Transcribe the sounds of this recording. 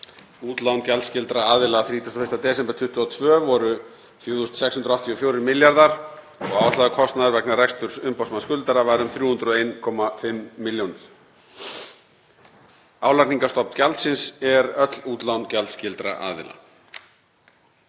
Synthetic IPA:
uːt̪lawncalscɪlt̪ɾaaːðɪlaθɾiːt̪ʰast̪ɔfɪ̥st̪at̪ɛːsɛmpat̪ʰʏht̪ʏɔt̪ʰvœːvɔɾʏ | θjoːðust̪sɛkshʏnɾawht̪ʰiɔfjowɾɪɾmɪljaɾðaɾ̥ | ɔɣaːwast̪laðʏkʰɔst̪naðaɾvɛknarɛkst̪ʏɾ̥sʏmpawsmanskʏlt̪aɾavaːɾʏmθɾjuːhʏnt̪ɾɔejnkʰɔmafɪmːɪljownɪɾ̥ | aːwlakniŋkast̪ɔpn̥calt̪sɪnsɛɾœt̪l̥uːt̪lawncalscɪlt̪ɾa̰ʔa̰ːðɪ̰la̰

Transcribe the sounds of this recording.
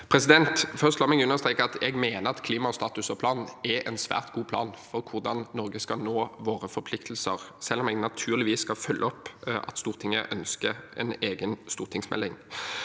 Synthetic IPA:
pʰʁɛsɪd̪ɛnt̪fœʁst̪loːmɛɡʉnːəʁst̪ʁeːkəɑt̪ɛɡmeːnəɾɑt̪kʰliːmɑst̪ɑːt̪ʉsɔpʰlɑːnn̩ɛʔɛnsʋæ̰ːʁt̪ɡ̥uːpʰlɑ̰ːnfɔɾkʰʊʁd̪ɑnːɔɾʁɡəskɑnoːʋoːʁəfɔɾpʰlɪkt̪ʰlsəʁsɛlːɔmɛɡnɑt̪ʰʉːʁlɪʋiːsːkɑfœlːʔəɔpːʔɑ̰t̪st̪uːʁt̪ʰɪŋːəʔœnskəɛ̰neːɡənst̪uːʁt̪ʰɪŋsmɛ̰lːɪŋ

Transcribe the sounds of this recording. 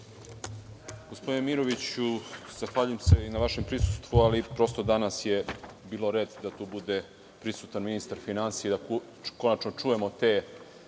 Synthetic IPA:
ɡ̥ospo̞d̪inemiɾoʋit͡ɕuz̥axʋaːʎujemse̞inaʋaʃe̞mpɾisu̥st̪ʋualipɾo̞st̪od̪anasje̞biːloɾe̞ːd̪d̪at̪uːbud̪e̞ | pɾisut̪anminist̪aɾfinansijeid̪a | ko̞nat͡ʃno̞t͡ʂuːje̞mo̞t̪eː

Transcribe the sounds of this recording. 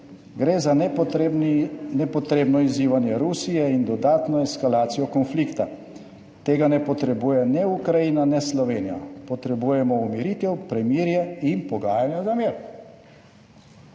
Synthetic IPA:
ɡɾeːza | nɛpɔt̪ɾeːbnɔiziːʋanjɛɾuːsijɛind̪ɔd̪aːt̪nɔɛskalaːt̪sijɔkɔnflikt̪a̰ | t̪eːɡanɛpɔt̪ɾɛbuːjɛnɛukɾajinanɛslɔʋeːnija̰pɔt̪ɾɛbujɛmɔumiɾiːt̪ɛwpɾɛmiːɾjɛinpɔɡaːjanjazameːɾ

